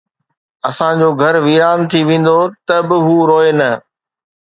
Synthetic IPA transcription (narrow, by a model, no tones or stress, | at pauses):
ɐsãd͡ʑoːɡʱɐɾʋiːɾaːnt̪ʰiʋẽːn̆d̪ot̪ɐbɪɦuːɾoːenɐ